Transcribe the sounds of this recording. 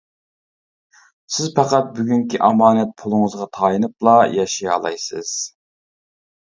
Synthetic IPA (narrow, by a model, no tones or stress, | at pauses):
sɪzpʰɑqɑt̪̚byɡʲyŋkʲʰiʔɑmɑːnɛt̪̚pʰʊlˠʊŋəzʁɑt̪ʰɑːjɨnɨplˠɑjɑʃijɑ̰lˠɑ̰jsɨz̥